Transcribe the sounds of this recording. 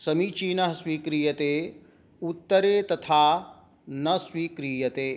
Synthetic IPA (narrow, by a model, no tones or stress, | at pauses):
sɐmit͡ʃiːnɐɦɐsʋiːkɾiːjɐt̪eː | ut̪ːɐɾeːt̪ɐt̪ʰaː | nɐsʋiːkɾiːjɐt̪eː